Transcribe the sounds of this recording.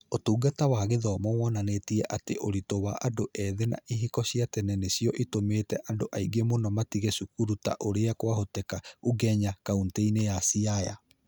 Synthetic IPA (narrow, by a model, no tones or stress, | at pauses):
otuːɡatawaɣeðɔmɔwɔnanetiɛʔateʔoɾitowaʔadoʔɛðena̰ʔiɦikɔɕiatɛnɛnesiɔʔitomeːtɛʔandoʔaiɡemonɔmatiɣesukuɾuta̰ʔoɾeakwaɦotɛkauɡɛɲakaunteinejasiaja̰